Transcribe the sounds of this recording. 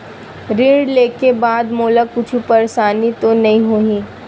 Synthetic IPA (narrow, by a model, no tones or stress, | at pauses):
ɾɪ̃ɳɖleːkebaːd̪moːlakʊt͡ʃʰupɐɾsaːnit̪onɐɦĩɦoːĩː